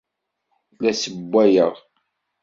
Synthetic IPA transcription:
læsəbʷːæjəʁ

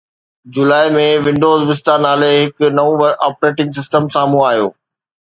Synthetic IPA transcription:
d͡ʑʊlaːɪmẽʋɪ̃ɳɖoːzʋɪst̪aːnaːleɦɪknɐʋũʋɐɾaːpɾeːʈɪ̃ŋɡs̬ɪsʈəmsaːmũaːɦjo̰ː

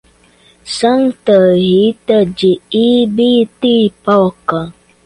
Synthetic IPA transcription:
səŋtəhitəd͡ʒiibitipakə

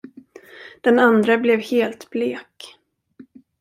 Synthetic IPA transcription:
d̪̥ɛnand̪ɾablɛvheːlt̪bleːk

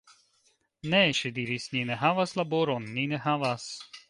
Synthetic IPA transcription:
nɛʃed̪iɾisnʲinɛɦavaslaboɾonːinɛɦavas

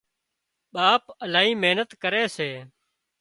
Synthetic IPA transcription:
ɓaːpəlaːɦiːmeːnət̪kəɾeːseː

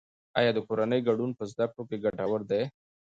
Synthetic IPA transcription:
ajɑd̪əkoɾanəjɡaɖunpəzd̪ak̚ʈokeɡaʈawəɾd̪aj

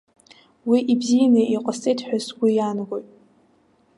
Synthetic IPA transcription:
wiʔibzijanaʔiqʼasʼejtʰħʷᶣazɡʷijanaɡojtʼ

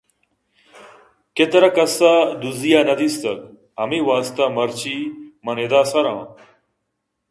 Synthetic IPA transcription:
ket̪ɐɾɐkɐsad̪uzijaːnɐd̪ist̪ɐɡ | ɦɐmiʋaːst̪amɐɾt͡ɕʰiːmɐned̪aːsɐɾãː

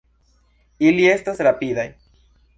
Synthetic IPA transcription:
ilie̞stasɾapiðaj

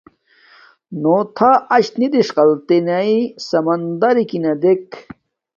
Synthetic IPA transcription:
not̪ʰaɐɕt̪nid̪iʂqɐlt̪enɐisɐmɐnd̪ɐɾikinɐd̪ek

